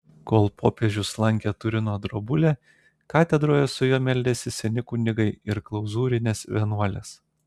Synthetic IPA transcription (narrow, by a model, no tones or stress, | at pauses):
koːlˠpʰo̰ːpʲeʒʲʊslˠɐŋʲkʲet̪ʊɾʲɪnoːd̪ɾobʊlʲɛ | kɑːt̪ʲɛd̪ɾoːjɛsʊjoːmʲɛlʲd̪ʲɛsʲɪsʲɛnʲɪkuːnʲɪɡɐɪɪɾklˠɐʊzuːɾʲɪnʲeːsʋʲiɛnuɔlʲeːs